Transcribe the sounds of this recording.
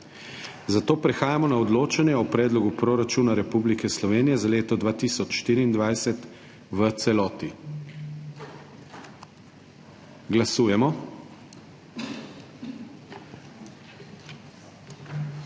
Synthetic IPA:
zat̪oːpɾɛxaːjamɔnaɔd̪loːt͡ʃanjɛɔpɾɛːd̪lɔɡupɾoɾat͡ʃuːnaɾɛpublikɛslɔʋeːnijɛzaleːt̪ɔd̪ʋaːt̪iːsɔt͡ʃʃt̪iːɾiːnd̪ʋajsɛt̪ | ʋət̪sɛlɔːt̪i | ɡlasuːjɛmɔ

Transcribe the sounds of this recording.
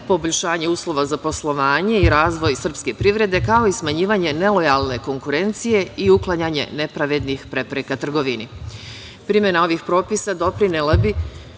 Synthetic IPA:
po̞boʎʲʃaːɲeuːslˠo̞ʋazapo̞slˠo̞ʋaːɲe̞iɾaːzʋo̞jsr̩pske̞pɾiʋɾe̞d̪e̞kao̞ismaɲiːʋaɲe̞ne̞lo̞jalˠne̞ko̞ŋkuɾe̞nt̪sije̞iuklˠaɲaɲe̞̰ne̞pɾaʋe̞d̪nixpɾepɾekat̪r̩ɡo̞ʋini | pɾimjenao̞ʋixpɾo̞ːpisad̪o̞pɾinelabi

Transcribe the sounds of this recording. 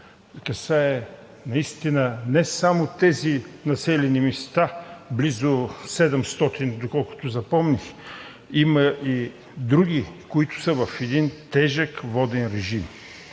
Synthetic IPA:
kɐsaɛ | nɐist̪inənɛsamot̪ɛzinɐsɛlɛnimist̪ablizosɛd̪ɛmst̪ɔt̪ind̪okɔlˠkʊ̥t̪ʊzɐpɔmnix | imɐʔi | d̪ɾuɡ̟ikoit̪ʊ̥səvɐfɛd̪int̪ɛʒəkvɔd̪ɛnɾɛʒim

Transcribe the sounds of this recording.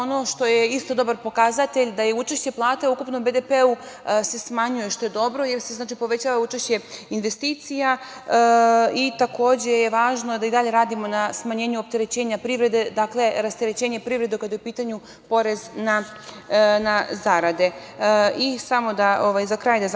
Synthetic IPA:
ono̞ʃt̪o̞jeist̪o̞d̪o̞baɾpo̞kazat̪e̞ʎd̪ajeut͡ʃeʃt͡ɕe̞plˠaːt̪eukupnobe̞d̪epeu | se̞smaɲujeʃt̪o̞je̞d̪o̞bɾo̞je̞ɾseznaːt͡ʃipo̞ʋe̞t͡ɕaːʋaut͡ʃeʃt͡ɕe̞inʋe̞st̪iːt̪sija | it̪ako̞ːd͡ʑe̞jeʋaːʒnod̪aid̪aʎe̞ɾaːd̪imo̞nasmaɲe̞ːɲuop̚t̪e̞ɾe̞t͡ɕe̞ːɲapɾiʋɾe̞d̪e̞d̪akle̞ɾast̪eɾet͡ɕeːɲepɾivɾe̞d̪ekad̪jeupiːt̪aɲu | po̞ɾe̞zna | nazaɾad̪e̞isamo̞d̪aʔo̞ʋajzakɾaːjd̪az

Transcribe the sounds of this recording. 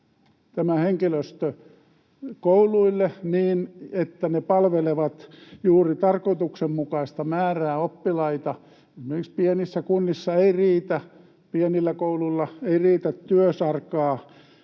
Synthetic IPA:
t̪æmæheŋkiløst̪ø | kouluilːeniːnet̪ːænepɑlʋeleʋɑt̪juːrit̪ɑrkoit̪uksemmukɑist̪ɑmæːræːopːilɑit̪ɑ | esimerkikspienisːækunːisːɑeiriːt̪æ | pienilːækouluilːɑeiriːt̪æt̪tyøsɑrkɑː

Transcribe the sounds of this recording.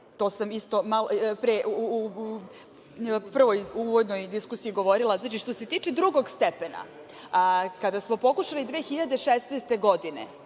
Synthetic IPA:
t̪osamist̪o̞malopɾeʔu | pr̩ʋojuʋod̪nojd̪iskusijiɡo̞ʋo̞ɾilˠazaːt͡ʃiʃt̪o̞se̞t̪iːt͡ʃɛd̪ɾuɡo̞ɡst̪epena̰ | kad̪asmo̞po̞kuʃalid̪ʋeːxiʎad̪eʃesneːst̪e̞ɡod̪inḛ

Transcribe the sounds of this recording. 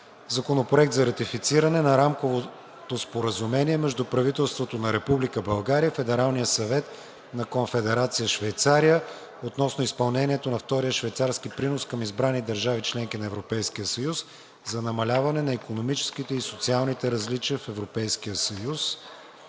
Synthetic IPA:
zɐkonopɾoɛk̚t̪zɐɾɐt̪ifit̪siɾɐnɛnɐɾamkovo | t̪ospoɾəzumɛniɛmɛʒd̪upɾɐvit̪ɛlˠst̪vot̪onɐɾɛpublikəbɐlˠɡaɾijəfɛd̪ɛɾalˠnijəsɐvɛt̪ | nɐkonfɛd̪ɛɾat̪sijəʃvɛjt̪saɾijə | ot̪nɔsnoispɐlˠnɛnʲiɛt̪onɐft̪ɔɾijəʃvɛjt̪saɾskipɾinoskəmizbɾanid̪ɐɾʒavit͡ʃlɛŋk̟inɐɛvɾopɛjskijəsɐjus | zɐnɐmɐlʲavɐnɛnɐikonomit͡ʃɛ̥skit̪ɛisot̪sialˠnit̪ɛɾɐzlit͡ʃiəfɛvɾopɛjskijəsɐjus

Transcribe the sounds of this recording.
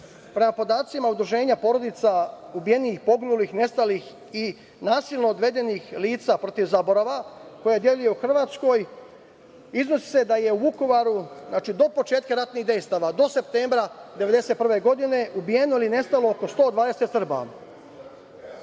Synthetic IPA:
pɾe̞mapo̞d̪aːt̪simaud̪ɾuʒe̞ːɲapo̞ːɾo̞d̪it̪sa | ubije̞niːxpo̞ɡnulixne̞st̪alix | i | naːsilˠno̞ːd̪ʋe̞d̪e̞niːxliːt̪sapɾo̞t̪iʋzaboɾaʋako̞jed̪jeluje̞uxr̩ʋaːt̪sko̞ːj | iznosi̥se̞d̪aje̞uuko̞ʋaɾuznaːt͡ʃid̪o̞po̞t͡ʃeːt̪̚kaɾat̪niɣd̪e̞jst̪aʋad̪o̞se̞p̚t̪eːmbɾad̪eʋed̪e̞se̞t̪̚pr̩ʋe̞ɡo̞d̪ine̞ubije̞noiline̞st̪alo̞oko̞st̪o̞ːd̪ʋaːd̪e̞set̪sr̩ba̰

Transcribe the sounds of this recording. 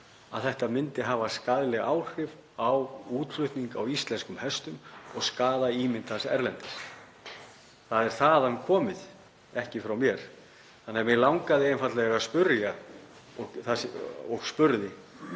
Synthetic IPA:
a̰ðθɛht̪amɪnt̪ɪɦaːvaskaðlɛɣa̰ːwr̥ɪv | awuːt̪fʏht̪niŋkawist̪lɛnskʏmhɛst̪ʏmɔɣskaːðaiːmɪnt̪ʰasɛ̰ɾlɛnt̪ɪ̥s | θaðɛɾ̥θaðankʰɔːmɪð | ɛhcɪfɾawmjɛɾ̥ | θanːɛamjɛlawŋkaðɪɛnfat̪lɛɣaspʏɾjaɔθasɔɣspʏɾðɪ

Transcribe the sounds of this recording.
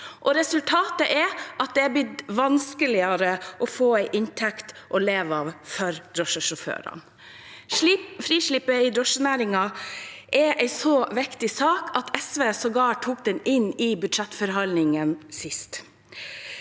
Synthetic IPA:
ʔɔɾɛsʉlt̪ʰɑːt̪əʔɛʔɑt̪̚d̪ɛæbɪd̪ʋɑnskəlɪəɾəʔɔfoːæɪʔɪnt̪ʰɛkt̪ʔɔleːʋɑʋfɔɾd̪ɾɔʂəʂɔfø̰ːɾɑ̰n | fɾiːʂɭɪpəɪd̪ɾɔʂənæːɾɪŋɑʔɛʔæɪsɔʋɪkt̪ɪsɑːkʰɑt̪ʰɛsʋeːsɔɡɑːʈʰːuːk̚d̪ɛnɪnːɪbʉd̪ʃɛt̪fɔɾɦɑlnɪŋənsɪst̪

